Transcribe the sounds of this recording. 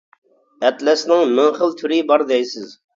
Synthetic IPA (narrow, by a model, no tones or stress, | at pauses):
ɛt̪lɛsnɪŋmɪŋχəlˠt̪ʰyɾɪbɑɾd̪ɛjsɪz